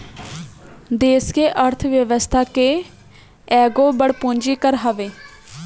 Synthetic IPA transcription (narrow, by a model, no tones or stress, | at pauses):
d̪eːskeːʔəɾt̪ʰʋjəʋəst̪ʰaːkeː | ɛːɡoːbəɽpõːɲd͡ʒiːkəɾɦəʋeː